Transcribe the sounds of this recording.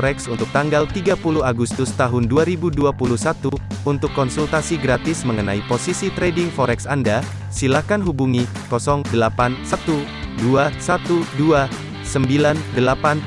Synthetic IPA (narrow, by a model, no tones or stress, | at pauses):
ɾɛksunt̪ʊk̚t̪aŋɡalt̪iɡapuluhaɡust̪ʊst̪aɦʊnduaɾibuduapuluhsat̪uunt̪ʊkːɔnsult̪asiɡɾat̪ɪsməŋəna̰iposisit̪ɾedɪŋfɔɾɛksanda | silahkanɦubuŋi | kɔsɔŋdəlapansat̪u | duasat̪udua | səmbilandəlapan